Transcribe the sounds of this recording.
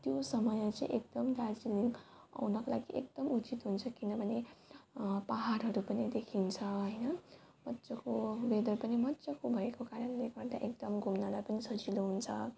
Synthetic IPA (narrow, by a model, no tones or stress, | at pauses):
t̪josʌmʌjat͡sãḭ̃ʔek̚d̪ʌmd̪ad͡ziliŋɡ | a̰wnʌkolaɡiʔekd̪̥ʌmut͡sit̪ɦunt͡sʰʌkinʌbʱʌne | paɦaɾɦʌɾupʌnid̪ekʰint͡sʰʌɦʌjnʌ | mʌt̪ːsʌkobed̪ʱʌɾupʌnimʌt̪ːsʌkobʱʌekokaɾʌnleɡʌrd̪a̰ʔek̚d̪ʌmɡʱumnalajpʌnisʌd͡ziloɦunt͡sʰʌ